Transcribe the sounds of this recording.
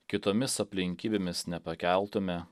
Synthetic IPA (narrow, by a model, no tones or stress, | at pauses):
kʲɪt̪oːmʲɪsɐpʲlʲɪŋʲkʲiːbʲemʲɪsnʲɛpɐkʲæˑlˠt̪ʊmʲɛ